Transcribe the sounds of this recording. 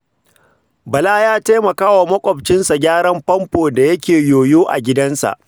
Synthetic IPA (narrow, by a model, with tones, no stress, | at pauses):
bɐ˨laː˦jaː˦taː˦mɐ˨kaː˦wa˨mɐ˦kʷʼɔ˨bt͡ʃɪ˦nsa˨ɡʲaː˦ɽɐ˦mpɐ˦mɸoː˨da˨jɐ˦kʲeː˨joː˨joː˦ʔa̰˨ɡʲɪ˦dɐ˦nsa̰˨ʔ